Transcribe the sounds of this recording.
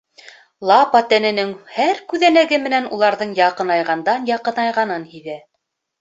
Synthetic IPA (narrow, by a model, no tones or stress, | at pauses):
lˠɑpɑt̪ænɘ̆nɘŋhæɾkʉðænæɡɘmɘ̆nænulˠɑɾðɤɴjɑqɤ̆nɑjʁɑnd̪ɑnjɑqɤ̆nɑjʁɑnɤnhiðæ